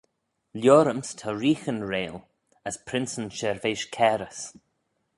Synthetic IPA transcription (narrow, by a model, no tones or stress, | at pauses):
ljɔːɾəmstʰɔɹiːxənɹeːl | əspʰɾɪnsənʃɛɹveʃkʰɛːɾəs